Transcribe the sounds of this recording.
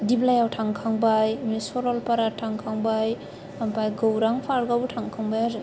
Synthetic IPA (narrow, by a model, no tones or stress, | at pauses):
diblajawtʰaŋkʰaŋbajmisɔɾɔlpaɾatʰaŋkʰaŋbaj | ampajɡowɾaŋpʰaɾɡawtʰaŋkʰaŋbajaɾa